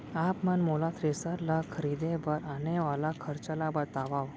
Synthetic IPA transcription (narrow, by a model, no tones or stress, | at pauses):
apmanmolat̪ʰɾesaɾlakʰəɾid̪ebəɾaneʋalakʰəɾt͡ʃəlabət̪aʋaʋ